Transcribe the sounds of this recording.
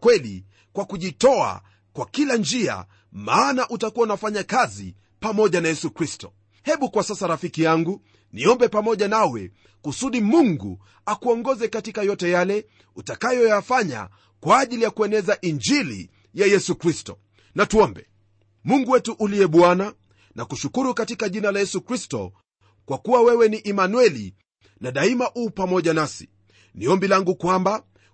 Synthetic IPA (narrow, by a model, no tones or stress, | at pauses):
kwɛlḭ | kwakuʄitɔa̰ | kwakiland͡ʒia̰ | maːnaʔutakuwaunafaɲakazḭ | pamɔʄanajɛsukɾistɔ̥ | hɛɓukwasasaɾafikijaŋɡu | niɔmbɛpamɔʄanawɛ̰ | kusuɗimuŋɡṵ | akuɔŋɡɔzɛkatikajɔtɛjalɛ | utakajɔjafaɲa̰ | kwaːʄilijakuɛnɛzaʔiɲd͡ʒilḭ | jajɛsukɾistɔ | natuɔmbɛ | muŋɡuwɛtuʔuliɛɓwana | nakuʃukuɾukatikaʄinalajɛsukɾistɔ̰ | kwakuwawɛwɛniʔɛmanuwɛlḭ | naɗaimaʔuːpamɔʄanasi̥̰ | niɔmbilaŋɡukwamba